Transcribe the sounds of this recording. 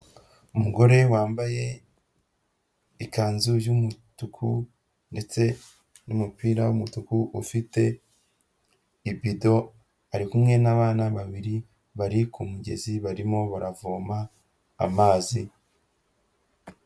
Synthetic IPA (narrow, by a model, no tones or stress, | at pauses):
umuɡo̞ɾe̞waːmbaje̞ | ikaːnzujumutukʰu | nde̞t͡se̞ | numupiːɾawumutukuʔufite̞ | ibido̞ | aɾikumŋe̞naβaːnaβaβiɾi | βaɾikumuɟe̞̰ziβaɾimo̞βaɾavoːma̰ː | maːzi